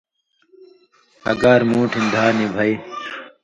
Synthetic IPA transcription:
ɐ̰ɡaːɾmũːʈʰind̪ʱaːniːbʱaiː

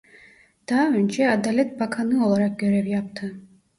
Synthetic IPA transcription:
d̪̥ɑːønt͡ʃʰɛad̪alʲɛt̪̚bakʰanɯo̞lˠaɾɑk̚ɟʲø̞ɾɛvjɑpt̪ʰɯ

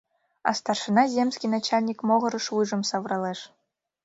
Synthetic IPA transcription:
ɑ̰st̪ɑrʂɯnɑzʲemsʲkʲijnat͡ɕalʲnʲikmoʁɤ̆ɾɤ̆ʂujʐɤ̆msɑʋrɑlˠeʂ

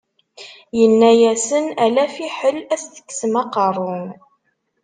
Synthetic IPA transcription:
jənːæjæsənælæfiħəlæsθə̥kːsəmɑqərˤːʊn

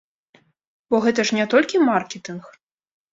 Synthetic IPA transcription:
bɔɣɛt̪̬ɐʂnʲɛt̪ɔlʲkʲimarkʲɛt̪ɨnx

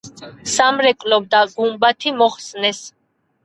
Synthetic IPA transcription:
samɾɛkʼlɔb̚d̪aɡumbat̪ʰimɔχsnɛs

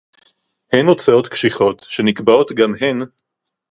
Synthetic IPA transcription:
henot͡sao̞tkʃiχo̞t̪ʃe̞nikbao̞tɡamhen

